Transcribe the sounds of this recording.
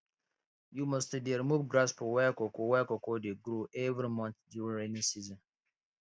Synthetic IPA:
jumɔstdeɾimuvɡɾaspɔwɛkokowɛkɔkodeɡɾuʔɛvɾimɔ̃nθduɹẽnĩsizɔ̃n

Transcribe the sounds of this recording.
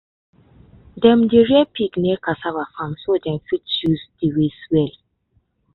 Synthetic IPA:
dɛ̃mdiɹɛpiɡnɛkasavafãmsodɛ̃mfitsjuzdiɹeswɛl

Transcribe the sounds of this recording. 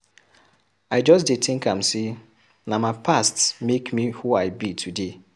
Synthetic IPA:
aɪd͡ʒɔstdetʰɪ̃ŋkam̩se | namapʰastmekmihuaɪbitʰude

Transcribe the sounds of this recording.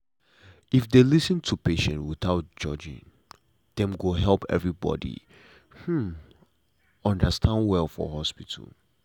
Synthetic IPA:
ifdelisə̃ntʰupeʃɛ̰̃ntwiθaʊt̚d͡ʒʌd͡ʒḭ̃n | d̥ɛ̃mɡoɦɛlˠpʰɛ̰vɹibɔ̰dḭ | hm̩ | ɔ̃ndəstʰãndwɛlˠfɔ̰hɔspitʰə̰l

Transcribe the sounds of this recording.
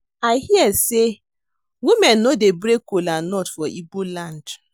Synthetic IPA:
aɦiɛse | wimen̩ːodebɾekolanɔtfɔʔiɡ͡bolan̩d

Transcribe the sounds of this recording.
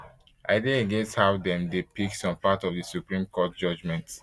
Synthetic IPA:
ʔaɪdeəɡɛ̃nsthaʊdɛ̃mdepiksɔ̃mpatɔvdisupɹĩmkɔt̚d͡ʒʌd͡ʒmɛ̃nt

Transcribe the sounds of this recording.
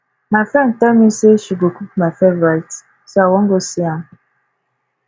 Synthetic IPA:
mafɛntamiseʃuɡokup̚mafevat | soawɔ̃ŋɡosiam

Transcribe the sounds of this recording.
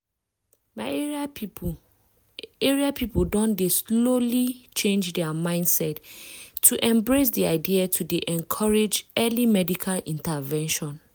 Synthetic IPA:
maɪ | eɹiapʰipodɔ̃ndeslolit͡ʃẽnd͡ʒdɛamãɪ̃nd̥sɛtʰː | uʔɛ̃mbɹes̬diaɪdiatʰudeʔɛ̃nkʰɔɹed͡ʒɛlimɛdikʰalĩntavɛ̃nʃɔ̃n

